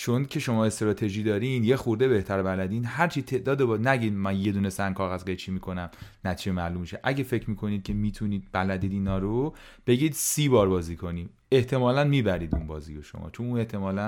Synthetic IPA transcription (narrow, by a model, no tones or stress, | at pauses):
t͡ʃʰoncʰe̞ʃo̞mɒːe̞st̪ɾɒːt̪ʰe̞ʒiːd̪ɒːɾinjexuɾd̪e̞be̞ht̪ʰæɾbælæd̪iːnɦæɾt͡ʃʰiːt̪ʰe̞ʔd̪ɒːd̪ebɒːnæɟiːd̪mænje̞d̪uːnesæŋkʰɒːɣæzɡejt͡ʃʰimiːkʰo̞næmnæt̪ʰiːd͡ʒemælumːiʃeʔæɟefe̞cʰɾmiːkʰo̞niːd̪̚cʰe̞miːt̪ʰuniːd̪̥̚bælæd̪iːd̪iːnɒːɾo | b̥e̞ɟiːd̪siːbɒːɾbɒːziːkʰo̞niː | e̞ht̪ʰe̞mɒːlænmiːbæɾiːd̪ṵnbɒːzijoʃo̰mɒ̰ːt͡ʃʰonune̞ht̪ʰe̞mɒːlæn